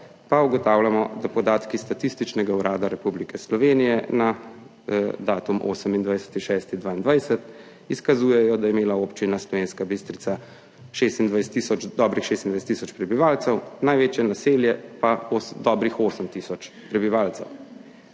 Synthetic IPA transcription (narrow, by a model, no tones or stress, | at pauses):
pauɡɔt̪aːwlamɔd̪apɔd̪aːt̪kist̪at̪ist̪it͡ʃnɛɡauɾaːd̪aɾɛpublikɛslɔʋeːnijɛna | d̪aːt̪umʔo̰ːsəmind̪ʋajsɛ̥t̪iʃɛst̪id̪ʋaːind̪ʋajsɛt̪ | iskazuːjɛjɔd̪ajɛmeːlaoːpt͡ʃinaslɔʋeːnskabist̪ɾit̪sa | ʃest̪ind̪ʋajsɛt̪isɔd̪ɔːbɾixʃest̪ind̪ʋajsɛt̪isɔt͡ʃpɾɛbiʋaːlt̪sɛwnajʋeːt͡ʃjɛnaseljɛpaosd̪ɔːbɾixoːsəmt̪iːsɔt͡ʃ | pɾɛbiʋaːlt̪sɛ̰w